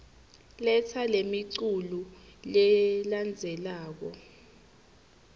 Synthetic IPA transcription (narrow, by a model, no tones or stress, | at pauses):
lɛt͡sʰalemiǀululɛland͡zʱɛlaːk̬ɔ